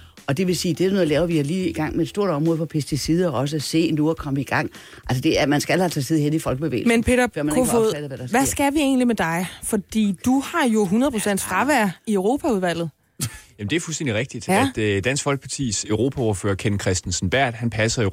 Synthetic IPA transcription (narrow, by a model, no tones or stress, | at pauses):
ɒ̽d̥e̝ʋe̝siːd̥e̝æno̽ðˠlɛːʊɐʋihɑ̈liːiɡ̥ɑ̈ŋ̰meed̥sd̥o̝ɐ̰d̥ɒ̽mʁɔ̽ðˠfɒ̽pʰesd̥isið̞ˠɐɒɒ̽s̬əæse̝̰ːnuɒkʰɒ̽məiɡ̥ɑ̈ŋ̰ | ʔælsəd̥e̝æɐmænsɡ̥ælhæt͡sʰɛ̰ːseð̞̰ˠɦen̰ifɒ̽lɡ̥əb̥eʋḛːlmenpeːɾɐfɶɐ̰mænoædð̩ˠʋæɾ̥ɑsʋæsɡ̥æʋie̝̰ːnlimed̥ɑ̈ɪfɒ̽d̥ḭːd̥uhɑ̈jo̝ɦunɐð̩ˠpʰosen̰d̥fd̥ʁɑ̈ʋæɐiœʊʁo̝ːpʰæuð̞ˠʋæl̰ð̩ˠ | jæm̩d̥eæɐful̩sd̥end̥iʁɛɡ̥̚d̥id̥æd̥d̥æn̰sɡ̥fɒ̽lɡ̥əpʰɑt͡sʰḭːsøʊʁo̝pʰæɔɐfø̰ːɐkʰenkʰʁɛsd̥en̩sn̩b̥æɐ̰d̥hænpʰæsɐ